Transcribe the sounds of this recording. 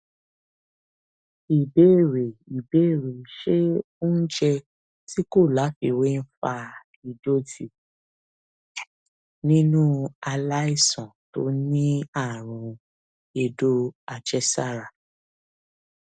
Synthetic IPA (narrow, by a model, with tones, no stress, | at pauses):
i˨be˨˦˨ɾe˨i˨be˨˦e˦˨ɾe˨ʃe˦ | o˦n̩˦d͡ʒɛ˧ | ti˦ko˦˨la˨˦fi˧we˦n̩˦fa˧ | i˨do˦ti˦˨ | nĩ˦nũ˦a˧la˦i˦˨sɔ̃˨to̰˦nĩ˦a˦˨ɾ̃ũ˨˧ | e˧do˦a˨d͡ʒɛ˦sa˦˨ɾa˨